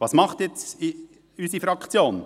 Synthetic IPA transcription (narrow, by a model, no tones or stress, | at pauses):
vɑːsmɑχt̪jɛt͡si | ysifɾɑkʰt͡sjoːn